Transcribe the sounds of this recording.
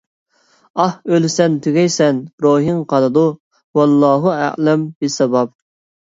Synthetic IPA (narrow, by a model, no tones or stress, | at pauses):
ɑhølɪsɛnt̪ʰyɡʲɛjsɛnɾoːɦiŋqʰɑlˠɨd̪u | wɑlˠːɑːɦuæ̰ʕlɛmbɪsɑbɑb̚